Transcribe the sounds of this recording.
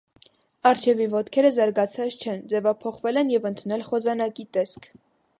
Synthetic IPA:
ɑɾt͡ʃʰɛvivɔt̪kʰɛɾəzɑɾɡɑt͡sʰɑt͡st͡ʃʰɛnd͡zɛvɑpʰɔχvɛlɛnjɛvənt̪ʰunɛlχɔzɑnɑkit̪ɛskʰ

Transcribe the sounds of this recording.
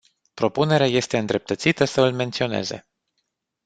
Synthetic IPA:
pɾo̞pune̞ɾeaje̞st̪e̞ɨnd̪ɾe̞p̚t̪ət̪sit̪əsəɨlme̞nt̪sio̞ne̞̰zḛ

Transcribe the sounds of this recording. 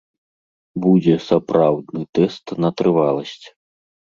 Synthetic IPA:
bud͡zʲɛsapɾawd̪nɨt̪ɛst̪nɐt̪ɾɨvalˠɐsʲt͡sʲ

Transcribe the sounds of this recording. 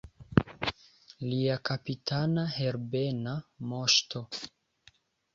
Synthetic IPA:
liakapitʰanahe̞ɾbenamoʃto̞

